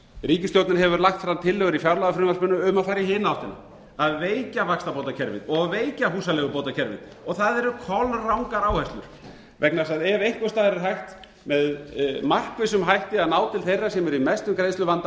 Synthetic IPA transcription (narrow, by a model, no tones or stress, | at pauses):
riːcɪst̪jowt̪nɪnɦɛvʏɾlaxt̪fɾamt̪ʰɪlːœɣʏɾifjawɾlaɣafɾʏmaspʏnːʏʏmaðfaɾjɪhɪːnaawht̪ɪna̰ | aðveːjcavakst̪apowt̪acʰɛɾvɪ̰ðt̪ɔɣaðveːjcahuːsalɛɣʏpoːwt̪acʰɛɾvɪ̰t̪ | ɔɣθaðɛɾʏkʰɔlrawŋkaɾaːwhɛst̪lʏɾ̥ | vɛk̚nasaðɛɾejhkʏst̪aːðɾɪ̥ɦajht̪ | mɛðmar̥kvɪs̬ʏmɦajht̪ɪaðnaːwt̪ʰɪlθejrːasɛmɛɾimɛst̪ʏmkɾejnst̪lʏvant̪a